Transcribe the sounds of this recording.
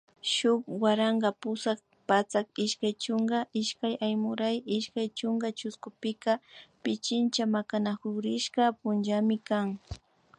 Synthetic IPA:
ʃʊkwaɾaŋɡapʊsak | pat͡sakɪʃkajt͡ʃʊŋɡaɪʃkajajmʊɾajɪʃkajt͡ʃʊŋɡat͡ʃʊskʊpɪkapɪt͡ʃɪnt͡ʃamakanakʊɾɪʃkapʊnʒamɪkaŋ

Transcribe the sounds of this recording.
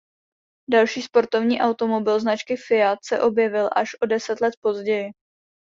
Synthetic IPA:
dalʃiːspo̞ɾt̪o̞vɲiːʔawt̪o̞mo̞bɪlznat͡ʃkɪfɪat̪sɛʔo̞bjɛvɪlʔaʃʔo̞dɛsɛt̪lɛt̪̚po̞zɟɛjɪ

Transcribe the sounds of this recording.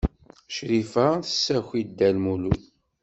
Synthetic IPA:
ʃɾifaθə̥sːæxid̪ːælmuluθ

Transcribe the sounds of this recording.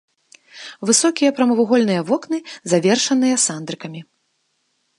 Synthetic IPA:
vɨsɔkʲijɐpɾɐmɐvuɣɔlʲnɨjɐvɔknɨzavʲɛrʂɐnɨjɐsand̪ɾɨkɐmʲi

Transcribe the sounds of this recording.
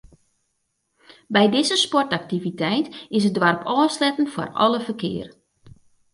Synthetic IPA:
bɛjdɪzəspɔrtak̚tivitɛjtɪs̬ədʋarpʰɔːslɛtən̩fɔ̰rɔ̰ləfərkɪ̰ːər

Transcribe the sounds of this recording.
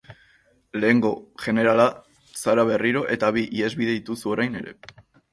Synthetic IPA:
le̞ːŋɡo̞ʝe̞ne̞ɾala | saɾaβe̞riɾo̞ʔe̞t̪aβiʔie̞zβiðe̞ðit̪usuo̞ɾajne̞ɾe̞̰

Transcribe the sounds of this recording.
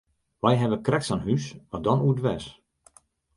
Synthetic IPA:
ʋɛjɦɛʋəkrɛksanhysʋadɔnudʋɛs

